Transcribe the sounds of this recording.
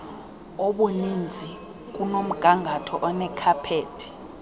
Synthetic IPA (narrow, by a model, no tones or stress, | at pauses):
ɔɓonind͡zʱi | k̬ʼunom̩ɡ̥ʱaŋɡʱatʰɔ̰ʔɔnɛkʰapʰeːtʰʼi̥